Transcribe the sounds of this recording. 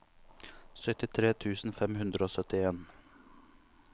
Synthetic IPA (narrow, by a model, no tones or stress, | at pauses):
sœt̪ɪt̪ʰɾeːt̪ʰʉːsn̩fɛmhʉnd̪ɾəoːsœt̪ɪeːn